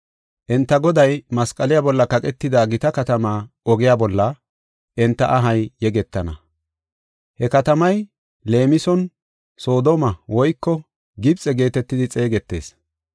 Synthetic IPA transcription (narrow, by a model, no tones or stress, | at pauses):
ʔɛnt̪ːɐɡɔd̪ɐjmɐskʼɐlɪjaːbɔlːɐkɐkʼɛt̪ːɪd̪aːɡɪt̪ɐkɐt̪ɐmaː | ɔɡɪjaːbɔlːɐ | ʔɛnt̪ːɐʔɐɦɐjjɛɡɛt̪ːɐnɐ̰ | hɛkɐt̪ɐmɐj | le̞ːmɪsɔn | so̞ːd̪ɔmɐwɔjkːɔ | ɡɪbt͡sʼɛɡe̞ːt̪ɛt̪ːɪd̪ɪt͡sʼe̞ːɡɛt̪ːe̞̰ːs